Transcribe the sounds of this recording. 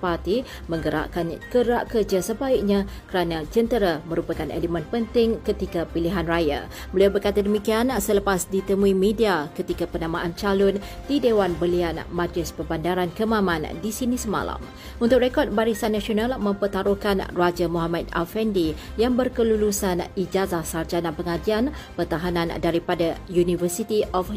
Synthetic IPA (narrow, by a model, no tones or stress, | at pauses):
part̪i | mə̃ŋɡəɾa̰ʔkankəɾaʔkərd͡ʒasəbaik̚ɲãkəɾanãd͡ʒənt̪əɾamə̃ɾupakanḛləmɛ̃npənt̪ɪŋkət̪ikapiliɦanraja̰ | bəliawbərkat̪adəmĩkiansələpasdit̪əmuimẽdiakət̪ikapənãmãʔant͡ʃalʊn | d̥idewanbəlianmad̪lɪsbərbandaɾankəmãmãndisinisəma̰la̰m | unt̪ʊk̚rekɔt̪̚baɾisanːãsionalmə̃mpət̪aɾokanrad͡ʒamoɦamat̪̚a̰lfɛndijaŋbərkəlulusanid͡ʒazahsard͡ʒanãnpəŋad͡ʒianpərt̪aɦanãndaɾipadajunivərsit̪iʔɔf